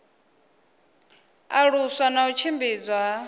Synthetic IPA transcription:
aɺuswanaut͡ʃʰimbiːd͡zwa

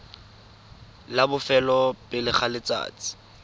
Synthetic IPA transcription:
labʊfɛlɔpʼɪlɪχalɪt͡sa̰ːt͡sɪ̥

